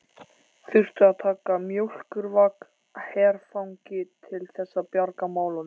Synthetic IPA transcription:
θʏr̥t̪ʏaðt̪ʰaːkamjowl̥kʏɾvak | hɛːɾ̥fawŋcɪt̪ʰɪlθɛsːapjaɾkamaːwla

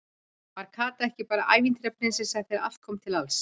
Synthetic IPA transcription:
maɾ̥kʰaːt̪aɛhcɪpaːɾaʔaːjvint̪ɾɛpʰɾɪnsɛsaθɛːɾɾa̰fkʰɔmt̪ʰɪlals

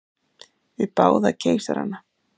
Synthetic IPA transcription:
vɪpaːwðacʰeːjsaɾha̰nːa

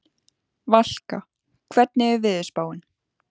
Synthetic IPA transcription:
val̥ka | kʰvɛt̪nɪɛɾvɪːðɪspaːwɪn

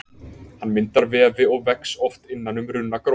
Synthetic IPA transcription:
hanmɪnt̪aɾvɛːvɪɔɣvɛksɔft̪ɪnːanʏmɾʏnːakɾo

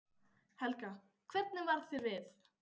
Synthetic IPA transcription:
hɛlka | kʰvɛɾt̪̚nɪmvaɾðθɪɾvɪθ

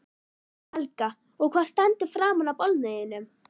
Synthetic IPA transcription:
hɛlka | ɔɣkʰvaːðst̪ɛnt̪ɪ̥fɾaːmanawpɔlt̪nejɪnːʏm

